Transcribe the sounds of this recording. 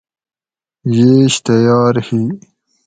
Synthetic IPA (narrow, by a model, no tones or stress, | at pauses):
jeɕt̪ajɑːɾhi